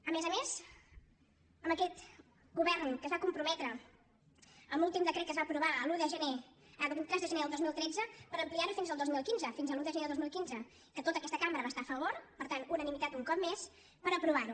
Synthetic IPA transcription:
əmezəmez | əməkɛt̪ | ɣuβɛrnkəzβakumpɾumɛt̪ɾə | əmulˠt̪imd̪əkɾɛt̪̚kəzβapɾuβaəluðəʒəneəðbut̪ɾɛzðəʒəneðəlˠd̪ozmilˠt̪ɾɛd͡zəpəɾəmpliaɾufinzəlˠd̪ozmilˠkinzəfinzəlˠuðəʒəneððozmilˠkinzə | ikət̪ot̪əkɛst̪əkambəɾəβast̪afəβ̞oɾpəɾt̪anunənimit̪at̪uŋkɔp̚mes | pəɾəpɾuβ̞aɾu

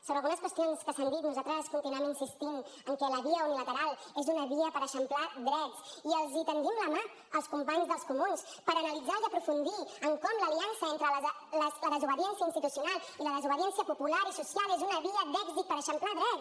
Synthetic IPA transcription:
soβɾəlˠɣunəskwəst̪ionskəsand̪it̪nuzat̪ɾəskunt̪inɛminsist̪iməŋkɛləβiəunilət̪əɾalˠ | ezunəβiəpəɾəʃəmplad̪ɾɛt̪siəlˠzit̪ənd̪imləma | əlˠskumpaɲzðəlˠskumuns | pəɾənəlid͡zaiəpɾufund̪iəŋkɔmləliansəent̪ɾəl | lələðəzuβəðiɛnsiəinst̪it̪usijunalˠ | iləðəzuβ̞əðiɛnsiəpupulaɾisusjalˠezunəβiəd̪ɛɡzit̪̚pəɾəʃəmplaðɾɛt

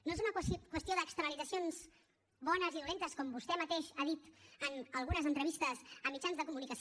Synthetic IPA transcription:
noezunəkkwəst̪ioðəkst̪əɾəlid͡zəsionz | βɔnəziðulent̪əskɔmbust̪ɛmət̪eʃaðit̪ənəlˠɣunəzənt̪ɾəβist̪əzəmːit͡ʃanzðəkumunikəs

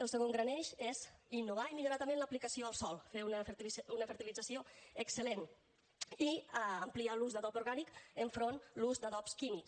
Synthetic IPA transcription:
əlˠsəɣoŋɡɾanɛʃezinːuβaimiʎoɾat̪əmẽnləplikəsioəlˠsɔlˠfeunfunəfəɾt̪ilid͡zəsioəksəlen | iəmplialuzðəðɔpuɾɣanikəɱfɾonluzd̪əðɔpskimiks

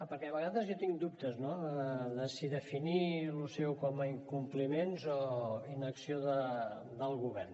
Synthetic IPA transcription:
əpəɾkɛɐβəɣaðəzjat̪iŋd̪up̚t̪əznoəðəsiðəfinilusɛwkɔməiŋkumplimenzɔinəksioðə | d̪əlˠɣuβɛrn

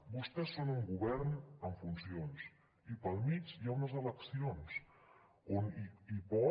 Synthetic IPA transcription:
bust̪ɛsːonuŋɡuβɛɾnəɱfunsions | ipəlˠmit͡ʃjaunəzələksions | oniipɔ

